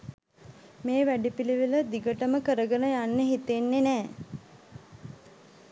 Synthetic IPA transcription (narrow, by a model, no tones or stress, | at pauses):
meːʋæɖipiliʋiləd̪iɡəʈəməkəɾəɡənəjanːeɦit̪enːenæː